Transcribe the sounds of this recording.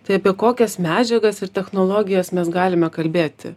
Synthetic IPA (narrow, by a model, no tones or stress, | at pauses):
t̪ɐɪɐpʲiɛkoːkʲɛsmʲæːd͡ʒʲɛɡɐsɪrt̪ʲɛxnoːlˠoːɡʲɪjɛsmʲɛsɡɑːlʲɪmʲɛkɐlʲbʲeːt̪ʲɪ̰